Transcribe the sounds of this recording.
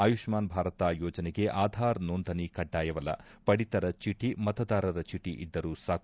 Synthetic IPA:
ɐjuʂmaːnbʱaːɾɐt̪aːjɔːd͡ʒɐneɡe̞ʔaːd̪ʱaːɾnond̪ʱɐnikɐɖːaːjɐʋɐlːɐ̰pɐɽit̪ɐɾɐt͡ʃiʈimɐt̪ɐd̪aːɾɐɾɐt͡ʃiʈiʔid̪ːɐɾuːsaː

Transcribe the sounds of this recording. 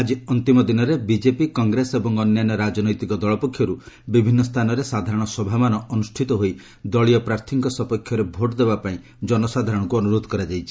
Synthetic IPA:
ad͡ʒiɔnt̪imɔd̪inɔɾebid͡ʒepikɔŋɡɾesebɔŋɔnjanɔɾad͡ʒɔnɔjt̪ikɔd̪ɔɭɔpɔkʰjɔɾu | bibʱinːɔst̪ʰanɔɾesad̪ʱaɾɔɽ̃ɔsɔbʱamanɔɔnusʈʰit̪ɔɦoj | d̪ɔɭiɔpɾaɾt̪ʰiŋkɔsɔpɔkʰːjɔɾebʱoʈd̪ebapaĩ | d͡ʒɔnɔsad̪ʱaɾɔɽ̃ɔ̃kuɔnuɾod̪ʱɔ̥kɔɾad͡ʒajt͡ʃʰi̥

